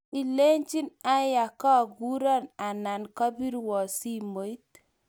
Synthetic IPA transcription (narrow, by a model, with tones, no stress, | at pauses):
i˨le˦ɲt͡ʃi˦na˦ja˨kɔ˦˨ɡu˦ɾɔ˦na˨na˨nkɔ˦bi˦ɾwɔ˨si˦mo˨˦i˦t